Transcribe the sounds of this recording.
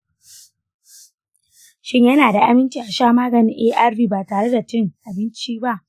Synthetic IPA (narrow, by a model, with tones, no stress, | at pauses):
ʃɪ˦ɲjɐ˦naː˨da˨ʔa˦mɪ˦nt͡ʃiː˨ʔa˨ʃaː˦˨maː˦ɡɐ˨nɪ˦ŋʔeː˦ʔa˦rbiː˦baː˨taː˨ɽe˦da˨tɪ˦ŋʔa˨bɪ˦nt͡ʃiː˦ba˦ʔ